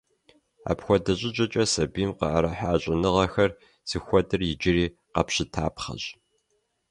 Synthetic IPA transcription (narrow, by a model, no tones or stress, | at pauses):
a̰ːpxʷɔdɐɕʼɪt͡ʃʼɐt͡ʃʼɐsɐbiːmqɑ̰ʔaɾɐħaːɕʼɪnɨʁɐxɐr | z̥ixʷɔdɨrjɪd͡ʒɪriː | qɐpɕɪtʰaːpχɐ̰ɕʼ